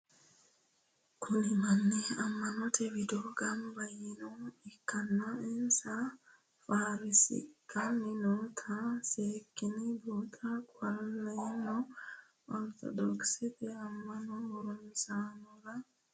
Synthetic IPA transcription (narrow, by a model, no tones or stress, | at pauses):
kʰunimanːɛamːanɔtʰewidɔɡambajinɔikːanːaɛnsa | faɾisḭkːaminɔt̪ʰasekːinibɔt̪ʰakwalːajinɔ | ɔɾt̪ɔ̰dɔksit̪ɛamːanɔuɾunsanɔɾa